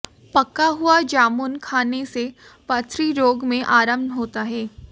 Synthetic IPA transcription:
pɐkːaɦʊad͡ʒaːmunkʰaːnese | pɐt̪ʰɾiɾoːɡmẽʔaːɾəmnɦoːt̪aɦɛː

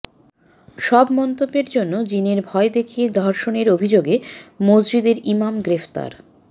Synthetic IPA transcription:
ʃɔbmɔnt̪obːeɾd͡ʑonːod͡ʑineɾbʱɔed̪ekʰied̪ʱɔɾʃoneɾobʱid͡ʑoɡemod͡ʑd͡ʑid̪eɾimamɡɾeft̪a̰ɾ

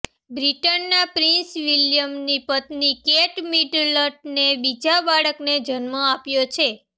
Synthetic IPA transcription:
bɾiʈənːapɾinsʋiljəmnipət̪nikeʈmiɖləʈ̚nebid͡ʒabaɭəkned͡ʒənmə̃apjot͡ʃʰe

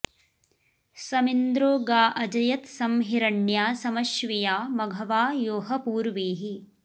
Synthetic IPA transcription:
sɐmind̪ɾoːɡaːʔɐd͡ʒɐjɐt̪sɐmɦiɾɐɳjaːsɐmɐʃʋijaːmɐɡʱɐʋaːjoːɦɐpuːɾʋeːɦi

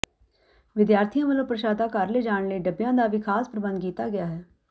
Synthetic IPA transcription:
ʋɪd̪jaːɾt̪ʰijãːmələpɾəʃaːd̪aːkaɾleːd͡ʒaːɳləiːɖəbjãːd̪aːʋiːkʰaːspɾəbə̃nd̪kiːt̪aːɡɪjaːɦɛː

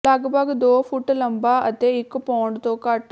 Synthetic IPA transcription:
laːɡbaːɡd̪oːpʰuʈːlɐmbaɐt̪eikːpaːɳɖt̪oːkaːʈː

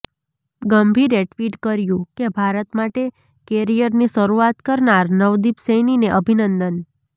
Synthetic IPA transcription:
ɡəmbʱiɾeʈʋiʈkəɾjũkebʱaɾət̪maʈe | keɾijəɾniʃəɾuat̪kəɾnaɾnəʋd̪ipsejnineʔəbʱinənd̪ən

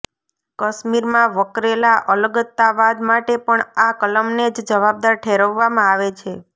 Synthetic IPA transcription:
kəʃmiɾmãʋəkɾelaʔələɡət̪ːaʋad̪maʈepəɳakələmned͡ʒd͡ʒəʋab̚d̪aɾʈʰeɾəʋːamãaʋet͡ʃʰe

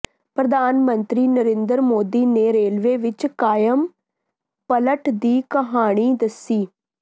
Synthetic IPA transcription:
pɾəd̪aːnmənt̪ɾiːnəɾẽːnd̪əɾmoːd̪iːneːɾeːlʋeːʋɪt͡ʃkaːjəm | pələʈd̪iːkəɦaːɽ̃iːd̪əsiː

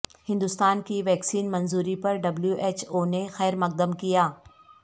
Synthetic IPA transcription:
hɪ̃nd̪ʊst̪aːnkiʋɛːksiːnmɐnzuːɾipɐɾɖɐbljuʔeːt͡ʃoːnexɛːɾmɐq̚d̪əmkijaː

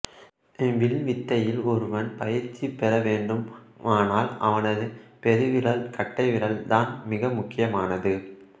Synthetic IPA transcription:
ʋɪlʋɪt̪ːɐjɪlɔɾɯʋɐnpɐjɪɾt͡ʃːipːɛɾɐʋeːɳɖɯm | aːnaːlɐ̰ʋɐnɐðɯpɛɾɯʋɪɾɐlkɐʈːɐɪʋɪɾɐld̪aːnmɪɣɐmʊkːɪjɐmaːnɐðɯ

